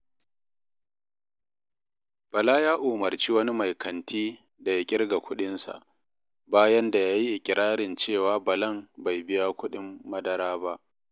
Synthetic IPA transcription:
b̥ɐ˨laː˦jaː˦ʔuː˨mɐ˨rt͡ʃiː˦wɐ˦ni˦ma˨jkʰɐ˨ntʰiː˦ | da˨ja˦kʲʼɪ˦ɽɡa˨kʷʊ˦ɗɪ˦nsa̰˨ʔ | baː˦jɐ˦nda˨jaː˦ji˦ʔɪ˨kʲʼɪ˨ɾaː˦ɽɪ˨nt͡ʃeː˦˨waː˦bɐ˨lɐ˦˨mba˨jbɪ˦ja˦kʷʊ˦ɗɪ˦mːɐ˦dɐ˨ɾaː˦ba˦ʔ

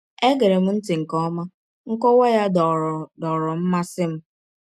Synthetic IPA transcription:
e˦ɡe˨ɾe˨m̩˦n̩˦tɪ˨ŋ̩˨kɔ˦ma˦ | ŋ̩˦kɔ˦wɔ˦ja˦ddɔ˨ɾɔ˨m̩˦ma˦sɪ˦m̩˦

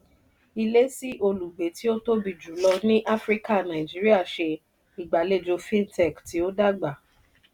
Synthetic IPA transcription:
i˧le˦si˦ʔo˧lu˨ɡ͡be˨˦ti˦o˦to˦bi˧˨d͡ʒu˨˦lɔ˧nĩ˦ʔa˦fɾi˦ka˦˨nã˨i˨d͡ʒi˨˦ɾi˦a˦˨ʃe˧ | i˨ɡ͡ba˨˦le˦˨d͡ʒo˧fĩ˦n˦tɛ˦˨kti˨˦o˦da˦ɡ͡ba˨

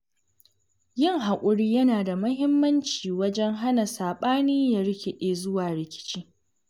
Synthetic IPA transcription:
jɪ˦˨ŋɦa˨kʷʼʊ˦ɽiː˦jɐ˦naː˨da˨mɐ˦ɦɪ˦mːɐ˦nt͡ʃiː˨wɐ˦d͡ʒɛ˦ŋɦa˦na˨saː˨ɓaː˦niː˦ja˨ɾɪ˦kʲe˨ɗeː˦zʊ˦waː˨ɾɪ˨kʲɪ̥˦t͡ʃi˦

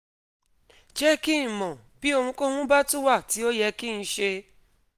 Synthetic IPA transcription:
d͡ʒɛ˦ki˦˨mɔ̃˨ | bi˦o˧ŋũ˧ko˦hũ˦ba˦tu˦wa˦˨ti˨˦o˦jɛ˧ki˦n̩˧ʃe˧

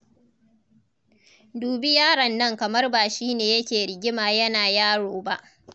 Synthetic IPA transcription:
duː˨bi˦jaː˦ɽɐ˨nːɐ˦ŋkɐ˨mɐ˦rbaː˨ʃiː˦neː˨jɐ˦kʲeː˨ɽɪ˨ɡʲɪ˦maː˨jɐ˦naː˨jaː˦ɽoː˨ba˦˨ʔ

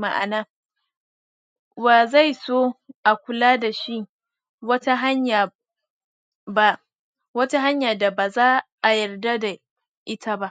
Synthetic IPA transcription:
ma˨ʔa̰˨naː˦ | ba˨za˦˨jsoː˦ʔa˨kʷʊ˨laː˦da˨ʃi˦ | wɐ˦ta˦ɦa˦ɲja˨ | ba˦ | wɐ˦ta˦ɦa˦ɲjaː˨da˨baː˨zaː˦ʔa˨jɐ˨rda˦da˨ | ʔɪ˦tʰa˦ba˦ʔ

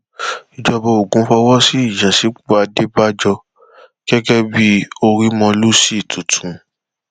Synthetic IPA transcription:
i˨d͡ʒɔ˧bɔ˧o˨ɡũ˨˧˦fɔ˧wɔ˦si˦i˦˨d͡ʒa˨si˨˦k͡pa˨˧de˦ba˦d͡ʒɔ˧ | ɡ̥ɛ˦ɡɛ˦bi˦o˧ɾi˦mɔ̃˧lu˦si˦˨tʰu˨tʰũ˨

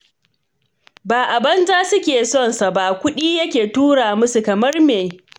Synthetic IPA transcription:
baː˨ʔa˨bɐ˦nzaː˦sʊ˦kʲeː˨sɔ˦˨nsa˨ba˦˨kʷʊ˦ɗiː˦jɐ˦kʲeː˨tuː˦ɽaː˨mʊ˦su˨kɐ˨mɐ˦rmeː˨

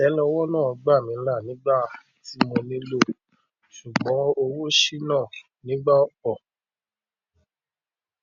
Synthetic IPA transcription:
ɛ˨˦lɔ˧˦wɔ˦nãː˦˨ɔ˨˧ɡ͡ba˦˨mĩ˨˦la˦˨nĩ˨˦ɡ͡ba˦˨ | ti˨˦mõ˧nĩ˦lo˦ | ʃu˨ɡ͡bɔ̃˨˦o˧wo˦ʃi˦nãː˦˨ | nĩ˨˦ɡ͡ba˦o˦k͡pɔ˦˨

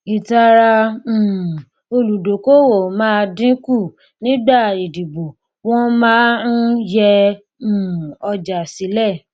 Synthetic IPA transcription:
i˨ta˧ɾã˧˨ | o˧lu˨do˨ko˦wo˨mãː˦˧dĩ˦ku˦˨ | nĩ˦ɡ͡ba˦˨i˨di˨bo˨ | wɔ̃˦mãː˦n̩˦jɛ̃˧˨ | ɔ˧d͡ʒa˨si˨˦lɛ˦˨

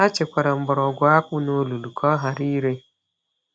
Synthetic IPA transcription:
a˦t͡ʃe˨kʷa˨ɾa˨m̩˦bɔ˨ɾɔ˨ɡʷa˦k͡pu˦no˦lu˨lu˨kʰɔ˦ɦa˨ɾi˦ɾe˦

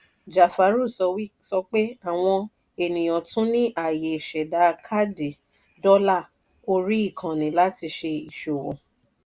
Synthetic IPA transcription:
d͡ʒa˨fa˨˦ɾu˦˨sɔ˧wi˦sɔ˧k͡pe˦a˦˨w̃ɔ̃˧ | e˨nĩ˨j̃ɔ̃˨tũ˦nĩ˦ʔa˦˨je˨ʃɛ˨da˨˦˧kʰa˦de˨ | dɔ˦la˦˨ | o˧ɾi˦i˦˨kʰã˨nĩ˨˦la˦ti˧ʃe˧i˨ʃo˨wɔ̰̃˨

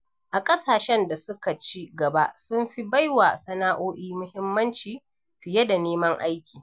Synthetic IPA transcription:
ʔa˨kʼɐ˦saː˨ʃɛ˦nda˨sʊ˦ka˨t͡ʃiː˦ɡɐ˨ba˦ʔsʊ˦mɸi˦ba˦jwa˨sɐ˦naː˦ʔoː˦ʔiː˦mʊ˦hɪ˦mːɐ˦nt͡ʃiː˨ | ɸɪ˨jɐ˦da˨neː˦mɐ˦ŋʔa̰˦jkʲiː˨

